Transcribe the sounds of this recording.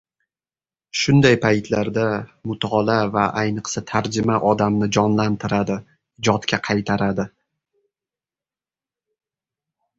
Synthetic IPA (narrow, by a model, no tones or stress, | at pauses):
ʃʊnd̪ajpʰajt̪ʰlaɾd̪amʊt̪ʰːlavaʔajnɨqsat̪ʰaɾd͡ʒɪmaʔɒd̪amnɪd͡ʒɒnlant̪ʰɪɾad̪ɪ | ɪd͡ʒɒt̪kʲʰaqʰɑjt̪ʰaɾad̪ɪ